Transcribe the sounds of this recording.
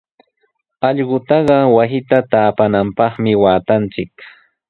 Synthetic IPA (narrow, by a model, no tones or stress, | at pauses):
ɑʎɢʊt̪ɑɢɑwasɪt̪at̪aːpanampɑχmɪwaːt̪ant͡sɪk